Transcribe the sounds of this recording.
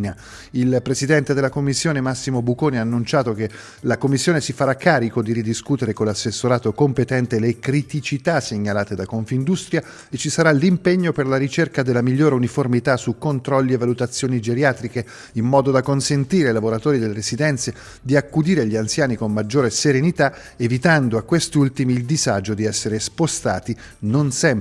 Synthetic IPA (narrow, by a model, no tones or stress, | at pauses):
na | ilpɾesid̪ɛnt̪ed̪elːakomːisːjoːnemasːimobukoːniaːnːunt͡ʃaːt̪ok̟e | lakomːisːjoːnesifaɾakːaːɾikod̪iɾid̪iskut̪eɾekonlasːesːoɾaːt̪okompet̪ɛnt̪elekɾit̪it͡ʃit̪aseɲːalaːt̪ed̪akoɱfind̪ust̪ɾja | et͡ʃːisaɾalimpeɲːoperlaɾit͡ʃerkad̪elːamiʎːoːɾeuniformit̪asukːont̪ɾɔlːievːalut̪at̪sːjoːnid͡ʒeɾjaːt̪ɾike | imːɔːd̪od̪akonsent̪iːɾeilavoɾat̪oːɾid̪elːeɾezid̪ɛnt̪se | d̪iakːud̪iːɾeʎːiant̪sjaːnikomːad͡ʒːoːɾeseɾenit̪a | evit̪and̪oakːwest̪iult̪imiːld̪izad͡ʒod̪iɛsːeɾespost̪a̰ːt̪i | nonsɛm